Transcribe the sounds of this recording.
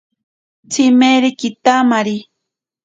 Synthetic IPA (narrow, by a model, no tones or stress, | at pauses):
t͡simeɾikit̪amaɾi